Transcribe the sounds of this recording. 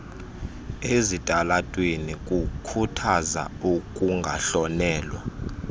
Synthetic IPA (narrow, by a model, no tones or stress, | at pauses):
ezitʼalatʼwenikʼukʰutʰaza̰ukʼuŋɡʱaɬɔnɛːlwa